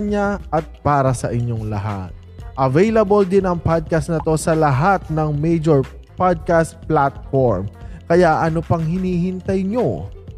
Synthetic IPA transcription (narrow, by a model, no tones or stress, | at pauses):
ɲaʔɐt̪̚paːɾɐsɐʔɪɲjo̞ŋlɐ̰ɦa̰t̪̚ʔɐvɛjlɐbold̪ɪnɐŋpad̪̚kɐst̪nɐt̪o̞sɐlɐɦat̪̚nɐŋmɛjd͡ʒoɹ | pad̪̚kast̪̚plat̪̚foɹmkɐjaʔɐnopɐŋhɪniːhɪnt̪ɐjɲo̞